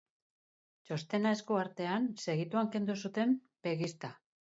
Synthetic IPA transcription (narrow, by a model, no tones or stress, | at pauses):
t͡ʃo̞st̪e̞naeskoaɾt̪e̞anse̞ɣit̪uaŋke̞nd̪usut̪e̞m | pe̞ɣist̪a